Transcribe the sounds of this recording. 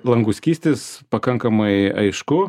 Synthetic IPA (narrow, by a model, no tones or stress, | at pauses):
lˠɐŋɡʊsʲkʲiːsʲt̪ʲeːspɐkɐŋkɐmɐɪɐ̰ɪʃkʊ